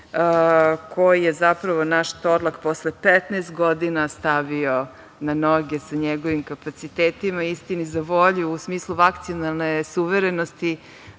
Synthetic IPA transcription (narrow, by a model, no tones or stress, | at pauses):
kʰojijezapɾaʋo̞naʃt̪oɾlakposlepɛt̪neːst̪̚ɡod̪inast̪aʋio | nanoɡesaɲeɡo̞ʋimkapat̪sit̪eːt̪imaist̪inizaʋo̞ʎuːsmiːslˠuʋakt̪sionalˠnesuʋeɾenost̪i